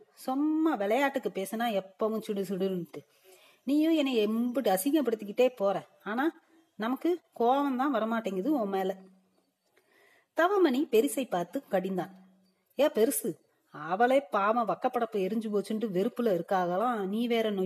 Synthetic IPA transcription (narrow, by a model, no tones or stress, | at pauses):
sʊmːaʋɛɭɐjaːʈːɯkːɯpeːsɯnaːɛpːoːʋɯ̃t͡ʃɪɽɯsɪɽɯlʈːɯ | niːjʊ̃ɛnːɐɛmbɐɽiɐsɪŋɡɐpːɐɽɯt̪ːɯk̬ːɪʈːeːpoːɾɛ̃ː | aːnaː | nɐmɐkːɯkoːʋɐ̃nt̪ãːʋɐɾɐmaːʈːeːŋɡɐðɯõːmeːlɐ | t̪ɐʋɐmɐnipɛɾɪsɐɪpːaːɾt̪ɯkɐɽɪnd̪aːn | eːpɛɾɯsɯ | ɐʋɐɭeːpaːʋɐ̃ʋɐkːɐpːɐɽɐpːoɛɾɯɲd͡ʒɯpoːt͡ʃːɯɳɖɯʋɛɾɯpːɯlɐɪɾɯkːaːɣɐlãːniːʋeːɾɐno